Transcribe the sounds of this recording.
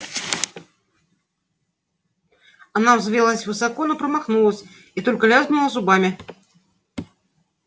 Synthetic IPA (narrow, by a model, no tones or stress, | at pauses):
ɐnavzvʲelˠəsʲvɨsakonopɾəmaxnulˠəsʲ | it̪o̞lʲkəlʲazbnʲɪlˠəzʊbamʲɪ